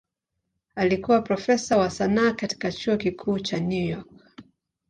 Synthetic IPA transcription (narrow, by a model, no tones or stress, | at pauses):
alikuwapɾɔfɛsawasanaːkati̥kat͡ʃuɔkikʰuːt͡ʃanjujɔk̚